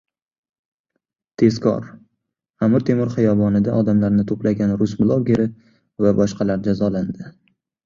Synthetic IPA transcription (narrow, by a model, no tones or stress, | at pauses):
t̪ʰe̞skʰɒ̰ɾ | amɪɾt̪ʰe̞mɪɾχɨjɒbɒnɪd̪aʔɒd̪amlaɾnɪt̪ʰoplaɡʲanɾʊsblˠɒɡʲeɾɪ | vabɒʃqɑlaɾd͡ʒazɒland̪ɪ